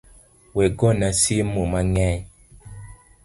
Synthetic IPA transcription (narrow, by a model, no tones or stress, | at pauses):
wɛɡɔnasimumaŋɛ